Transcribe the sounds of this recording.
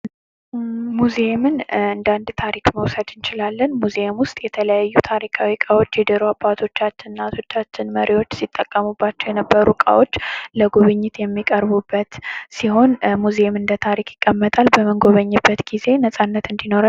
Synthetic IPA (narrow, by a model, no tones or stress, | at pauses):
muzemɨnɨnd̪and̪t̪ʰaɾikməwsəd̪ɨnt͡ʃɪlalːənmuzemwʊst̪ʼjɛt̪ʰələjajːut̪ʰaɾikʰawikʼawo̞t͡ʃːjɛd̪əɾoabːat̪ʰo̞t͡ʃːat͡ʃːɪnnat̪ʰo̞t͡ʃːat͡ʃːɪnməɾiwo̞t͡ʃːsit̪ʼːəkʼːəmubːat͡ʃːɛwjɛnəbːəɾukʼa̰wo̞t͡ʃːləɡuβɨɲːɪt̪jɛmːikʼəɾβubːət̪siho̞nmuzemɨnd̪ət̪ʰaɾikjɪkʼːəmːət̪ʼalbəməŋɡo̞βəɲːɨbːət̪ɡ̥ize̞nəsʼanːət̪ɨnd̪ino̞ɾa